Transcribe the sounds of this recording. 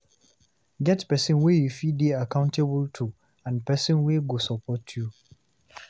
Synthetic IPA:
ɡɛtpɛsĩnwejufideakʰãʊ̃ntʰebultʰu | ãnpɛsĩnweɡosɔpʰɔtʰju

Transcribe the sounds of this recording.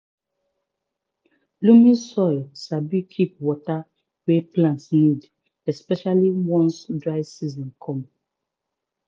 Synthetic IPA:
lumĩsɔjlsabikʰip̚wɔta | wɛplãntsnid | ɛspɛʃaliwɔ̃nsdɹaɪsizɔ̃nkʰɔ̃m

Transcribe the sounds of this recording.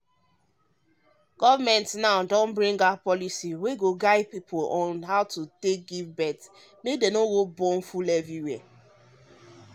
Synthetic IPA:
ɡ̥ɔvamɛ̃ntnaʊdɔ̃nbɾĩŋɡapɔlisiweɡoɡaɪpipʰolɔ̃nɦaʊtutek̚ɡivbɛt | medenowobɔ̃n̩fulɛviwe

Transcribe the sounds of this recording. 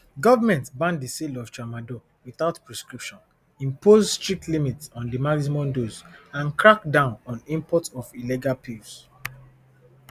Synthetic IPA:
ɡɔvamɛ̃ntbãndəselɔft͡ʃamadɔ | wiθaʊtpɹɛskɹipʃɔ̃n | ĩmpozstɹik̚tlimitsɔ̃ndəmaksimɔ̃mdozãnkɹak̚dãʊ̃nɔ̃nĩmpɔtɔviliɡalpʰivs

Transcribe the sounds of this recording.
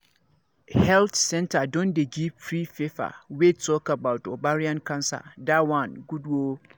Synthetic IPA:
hɛltsɛ̃ntʰadɔ̃ndɛɡipʰɾifefa̰wetʰɔkabaʊtɔbaɾiãnkʰãnsa̰dawãnɡudwo

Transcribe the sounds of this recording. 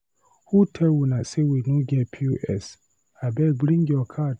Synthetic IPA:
hutʰɛwunasewinuɡɛpʰuʔɛ̰s | abɛbɾĩŋɡjɔkʰad

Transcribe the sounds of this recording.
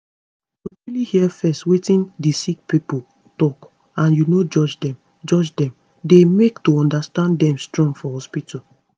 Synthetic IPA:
oɹilihiɛfɛstwetĩndisik̚pipo | tɔk | ãnjunod͡ʒɔd͡ʒdɛ̃m | d͡ʒɔd͡ʒdɛ̃m | demektoɔ̃ndastãnddɛ̃mstɹɔ̃ŋɡfɔhɔspitʰa

